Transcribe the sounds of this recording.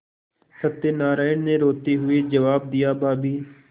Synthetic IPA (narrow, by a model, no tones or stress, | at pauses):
sət̪ːenaːɾaːɪɳneːɾoːt̪iːɦʊiːd͡ʒəʋaːb̚d̪ɪjaːbaːbiː